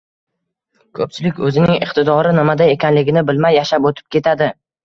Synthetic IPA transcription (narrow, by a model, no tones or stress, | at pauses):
kʰɵp̚t͡ʃʰɪlɪkʲɵzɪnɪŋɪqt̪ʰɪd̪ɒɾɪnɪmad̪aje̞kʲanlɪɡʲɪnɪbɪlmajːaʃapot̪ʰɪ̥p̚kʲe̞t̪ʰad̪ɪ